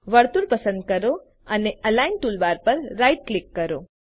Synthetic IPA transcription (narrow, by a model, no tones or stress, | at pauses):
ʋəɽt̪uɾpəsə̃nd̪̚kəɾo | əneʔəlainʈulʋaɾpəɾːajʈ̚klikːəɾo